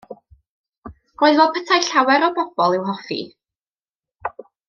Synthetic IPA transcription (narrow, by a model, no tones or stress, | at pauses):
roːɨðvoːd̚pʰətʰajɬawɛɾɔbɔb̥ɔlˠɪwɦɔfḭ